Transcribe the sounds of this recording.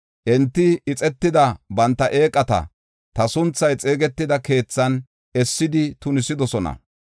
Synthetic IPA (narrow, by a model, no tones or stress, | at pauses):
ʔɛnt̪ːɪɪt͡sʼɛt̪ːɪd̪ɐbɐnt̪ːɐʔeːkʼːɐt̪ɐ̰ | t̪ɐsʊnt͡sːɐjt͡sʼeːɡɛt̪ːɪd̪ɐke̞ːt͡sːɐn | ɛsːɪd̪ɪt̪ʊnɪsɪd̪ɔsɔnɐ̰